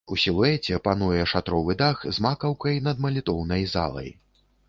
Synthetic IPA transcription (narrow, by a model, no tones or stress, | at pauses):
usʲilˠuɛt͡sʲɛpan̪ujɛʂat̪ɾɔvɨd̪axzmakɐwkɐjnɐd̪mɐlʲit̪ɔwnɐjza̰lˠɐ̰j